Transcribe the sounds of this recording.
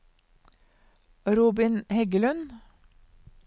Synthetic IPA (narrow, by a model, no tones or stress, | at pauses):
ɾuːbɪnhɛɡəlʉn